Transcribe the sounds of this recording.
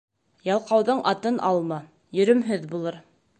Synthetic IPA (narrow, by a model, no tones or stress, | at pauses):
jɑlˠqɑwðɤɴʔɑt̪ɤnʔɑlˠmɑ | jɵ̆ɾɵ̆mɦɵðbulˠɤɾ